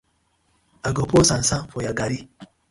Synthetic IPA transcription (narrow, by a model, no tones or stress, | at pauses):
aɡoposansafojaɡaɾi